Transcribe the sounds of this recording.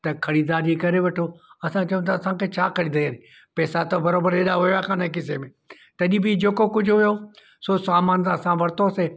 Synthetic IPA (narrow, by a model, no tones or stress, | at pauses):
t̪ɐkʰɐɽid̪aːɾd͡ʑikɐɾeʋɐʈʰoɐsãt͡ʃɐjũt̪ʰaɐsãkʰeːt͡ɕʰaːkʰɐɽĩnd̪ɐiaːnĩ | pɛːsat̪obɐɾoːbəɾeːɗaɦʊjakʰãːnɐɦekːɪsemẽ | t̪ɐɗĩbid͡ʑeːkokʊd͡ʑʱɦʊjo | sosaːmaːnsãsãʋɐɾt̪oseː